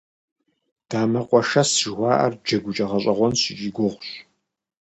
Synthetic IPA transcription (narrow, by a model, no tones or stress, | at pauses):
d̥aːmɐqʷʼɔʃɐsʒwʷɑːʔɐ̰rd͡ʒɐɡʷʊt͡ʃʼɐʁɐɕʼɐʁʷɔnɕʒʼiɡʷɔʁʷɕ